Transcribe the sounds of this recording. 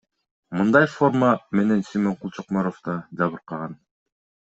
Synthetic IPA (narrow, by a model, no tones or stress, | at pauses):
mɯnd̪ɑjfo̞rməmenensijmoɴqulˠt͡ʃoqmoɾoft̪ɑd͡ʒɑβɯɾqɑʁɑn